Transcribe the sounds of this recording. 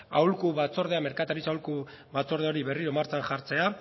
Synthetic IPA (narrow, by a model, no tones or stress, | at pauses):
awlkuβat͡so̞ɾðe̞ame̞ɾkat̪aɾit͡sawlku | βat͡so̞ɾð̞eo̞ɾiβe̞riɾomaɾt͡sanʝaɾt͡se̞a